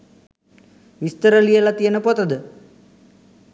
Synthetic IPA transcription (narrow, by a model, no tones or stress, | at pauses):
ʋist̪əɾəlijəlat̪ijənəpɔt̪əd̪ə